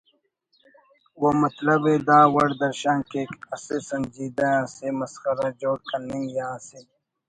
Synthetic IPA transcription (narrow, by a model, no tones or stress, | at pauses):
womɐt̪lɐbẽːd̪aːwɐɽd̪ɐɾʃãːnkeːkɐsesɐnd͡ʒiːd̪ɐjãːsemɐsxɐɾad͡ʒoːɽkɐniŋjãːse